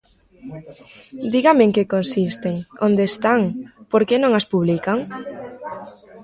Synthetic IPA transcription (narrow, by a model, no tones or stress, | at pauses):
d̪iɣameŋkekõnsist̪eŋond̪eːst̪aŋpoɾkenõŋaspuβlikaŋ